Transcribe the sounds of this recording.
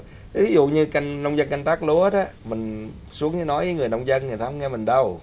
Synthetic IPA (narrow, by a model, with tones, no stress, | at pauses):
vi˨˦zṵ˧˨ɲɨ˧ka˧jŋnə˧wŋ͡mzə˧nka˧jŋ̟t̪aː˦˥k̚lu˨˦əɗɔ˨˦mï˨˩ŋ̟ | su˨˦əŋɲɨ˨˦nɔ˨˦jvəː˨˦ŋɨ˨˩ənə˧wŋ͡mzə˧nŋɨ˨˩əjt̪ʰa˨˦wŋ͡mŋɛ˧mï˨˩ŋ̟ɗə˧w